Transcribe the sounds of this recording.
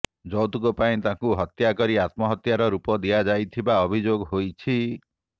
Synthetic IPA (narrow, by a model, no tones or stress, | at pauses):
d͡ʒɔwt̪ukupaĩt̪aŋkuɦɔt̪jakɔɾiat̪̚mɔɦɔt̪jaɾɔɾupɔd̪ijad͡ʒajt̪ʰibaɔbʱid͡ʒoɡɔɦojt͡ʃʰi